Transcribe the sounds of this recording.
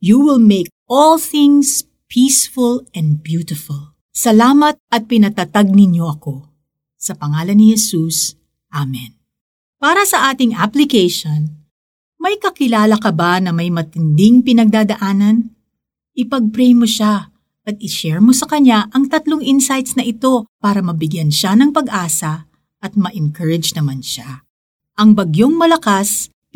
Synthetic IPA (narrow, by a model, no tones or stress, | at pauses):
juwɪlmejk̚ɔlθɪ̃ŋs | pʰiːsfʊlɛnd̪̚bjut̪ɪfʊlˠ | sɐlaːmɐt̪̚ɐt̪̚pɪnɐt̪ɐt̪aɡ̚nɪɲo̞ʔɐko̞ | sɐpɐŋaːlɐnːɪhɛsus | ʔamɛn | paːɾɐsɐʔaːt̪ɪŋʔaplɪkejʃon | mɐjkɐkɪlaːlɐkɐbanɐmɐjmɐt̪ɪnd̪ɪŋpɪnɐɡ̚d̪aːd̪ɐʔaːnɐn | ʔɪpɐɡ̚pɾɛjmoʃa | ʔɐt̪̚ɪʃɛɹmo̞sɐkɐɲːaʔɐŋt̪ɐt̪loŋʔɪnsajt̪snɐʔɪt̪o̞paːɾɐmɐbɪɡjanʃanɐŋpɐɡʔaːsɐ | ʔɐt̪̚mɐʔɪŋkʰɐɹɛd͡ʒnɐmanʃa | ʔɐŋbɐɡjo̞ŋmɐlɐkas